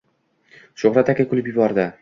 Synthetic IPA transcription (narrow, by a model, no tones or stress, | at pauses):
ʃoχɾat̪akʲakʰʊlˠɪpjɪbɒɾd̪ɪ